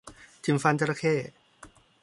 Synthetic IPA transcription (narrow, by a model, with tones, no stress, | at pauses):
t̪ʰi˧˩mfa˧nt͡ɕa˧ɾa˧kʰeː˥˩